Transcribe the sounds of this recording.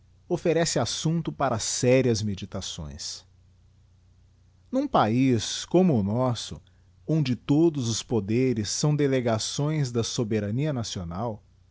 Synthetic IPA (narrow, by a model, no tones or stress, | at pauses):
ofeɾɛsɪasũnt̪ʊpaɾɐsɛɾiɐzmed͡ʒit̪asõ̰j̃s | nũpaiskõmʊːnɔsʊ̰ | õnd͡ʒɪt̪od̪ʊzʊspod̪eɾɪsːɐ̃w̃d̪eleɡasõj̃zd̪ɐsobeɾɐniɐnasionaw